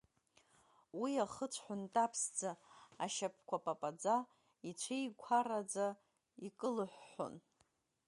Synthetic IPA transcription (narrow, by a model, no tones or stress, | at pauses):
wiaχət͡sʷʰħʷʊntʼapʰsd͡zaa̰ʃapʰkʷʰapʼapʼad͡za | it͡ʃʷʰejkʷʰaɾad͡za | ikʼɨlɨħʷːo̰n